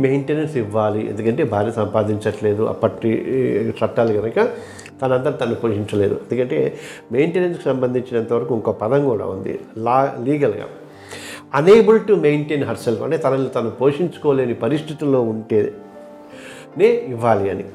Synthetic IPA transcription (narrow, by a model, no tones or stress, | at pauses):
mejɳʈeːnɐɾsiʋːaːliḛnd̪ukɐɳʈe̞ːbʱaːɾisɐmpaːd̪iɲt͡ʃɐʈle̞ːd̪uʔɐ̰pːɐʈḭt͡ʃɐʈːaːluɡɐnɐkɐ | t̪ɐnɐɐnd̪ɐɾut̪ɐnɐnupo̞ːʂiɲt͡ʃɐle̞ːdṵend̪ukɐɳʈe̞ːmejɳʈeːnɐnskusɐmbɐnd̪ʱiɲt͡ʃinɐnt̪ɐʋɐɾɐkuːŋkoːpɐd̪ɐmkuːɽa̰ːund̪ḭlaːliːɡɐlɡa̰ː | ɐneːbulʈume̞jɳʈeːnɦɐɾselfɐɳʈeːt̪ɐnɐnut̪ɐnupo̞ːʂiɲt͡ʃu̥koːleːnipɐɾist̪ʰit̪ilo̞ːuɳʈeː | neːiʋːaːliɐnḭ